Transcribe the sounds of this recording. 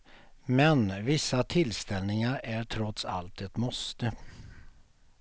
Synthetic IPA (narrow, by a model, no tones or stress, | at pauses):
mɛnvɪsːat̪ʰɪlst̪ɛlnɪŋaɾæʈʰɾɔt̪sa̰lt̪ɛt̪mɔst̪ə